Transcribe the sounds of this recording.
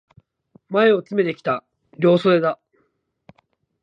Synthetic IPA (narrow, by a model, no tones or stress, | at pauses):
mae̞o̞t͡sɨme̞t̪e̞kʲi̥t̪a | ɾʲo̞ːsoed̪a